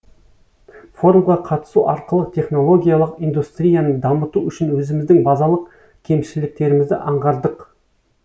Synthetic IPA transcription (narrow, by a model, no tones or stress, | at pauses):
fo̞ɾumʁɑqʰɑt̪ə̥suʔɑɾqəlˠəqt̪ʰe̞χno̞lˠo̞ɡʲijalˠəqijnd̪ust̪ɾʲijanəɴd̪ɑmət̪uʏʃɪnwɵzɪmɪzd̪ɪŋbɑzɑlˠəq | kʲʰe̞mʃɪlɪk̚t̪e̞ɾɪmɪzd̪ɪ̰ʔɑɴʁɑɾd̪əq